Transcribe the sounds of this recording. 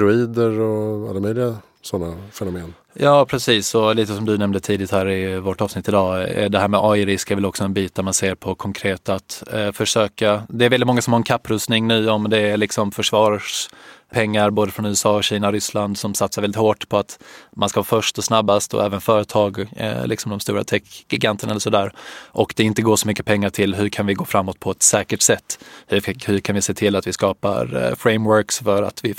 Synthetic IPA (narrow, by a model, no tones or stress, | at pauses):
ɾʊiːd̪əɾɔa̰lːamœjlɪɡa | sɔnːafɛnʊmeːn | jɑːpʰɾɛsiːsɔliːt̪əsɔmd̪ɵnɛmnd̪ət̪ʰiːd̪ɪt̪hæːɾɪvɔʈːɑːvsnɪt̪ːɪd̪ɑ̰ːd̪ɛɦæːɾmɛʔɔjɾɪskɛɾvɪlɔksɔɛnbiːt̪̚d̪æɾmanseːɾpʰɔkʰɔŋkʰɾeːt̪at̪fœʂøːkad̪ɛːɾvɛlːɪt̪mɔŋːasɔmhaɾɛnkʰapːɾɵst̪nɪŋnʉ̟ːɔmd̪ɛːɭɪksɔmfœʂvɑːɾʂpʰɛŋːaɾboːd̪əfɾɔnʉ̟ːɛsɑːɔɕiːnaɔɾʏsland̪sɔmsat̪saɾvɛlɪt̪hoːʈpʰɔat̪manskahɑːfœʂʈɔsnabːast̪ɔ̰ɛːvənfœːɾət̪ʰɑːɡ̰lɪksɔmd̪ɔmst̪uːɾa̰t̪ʰɛkɡɪɡant̪ʰəɳaɛlːəʂɔd̪æːɾʔɔkd̪ɛɪnt̪əɡoːʂɔmʏkːə̥pʰɛŋːaʈʰɪlɦɵɾkʰanvɪɡoːfɾamːɔt̪̚pʰɔɛt̪sɛːkəʈsɛt̪ːhɵhɵɾkʰanvɪseːt̪ʰɪlat̪vɪskɑːpa̰ɾfɾɛɪmwœɾksfœɾa̰t̪vɪ